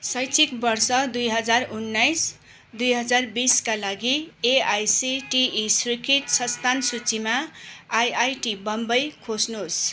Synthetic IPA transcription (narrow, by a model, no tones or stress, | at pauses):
sʌjt͡sʰik̚bʌrsʌd̪ujɦʌd͡zarunːajs | d̪ujɦʌd͡zarbiskalaɡieajsiʈiːsrikʰiʈsʌst̪ʰansut͡simaajajʈibʌmbʌjkʰosnos